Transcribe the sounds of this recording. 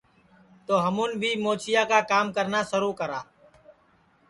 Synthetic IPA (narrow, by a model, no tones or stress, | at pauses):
t̪oːɦəmuːnbʱiːmoːt͡ʃɪjaːkaːkaːmkəɾnaːsəɾuːkəɾaː